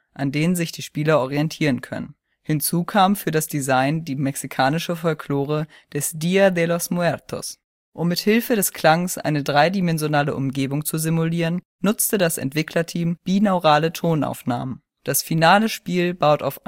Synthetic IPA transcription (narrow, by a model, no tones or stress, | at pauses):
ʔandeːnənzɪçd̥iːʃpiːlɐʔɔʁiɛntʰiːʁənkʰœ̰nə̰n | hɪnt͡suːkʰaːmfyːɐɾasd̥izaɪndiːmɛksikʰaːnɪʃəfɔlkʰl̥oːʁ̞ə | d̥ɛsd̥iadɛlɔsmuɛʁtʰɔ̰s | ʔʊmːɪthɪlfədɛskl̥aŋsʔa̰ɪnədʁaɪdimɛnzjonaːləʔʊmɡeːbʊŋt͡suzɪmuliːʁənːʊt͡stədasɛ̰ntv̥ɪkʰlɐtʰiːmb̥iːnaʊʁaːlətʰoːna̰ʊfna̰ːmən | d̥asfinaːləʃpiːlbaʊta̰ʊf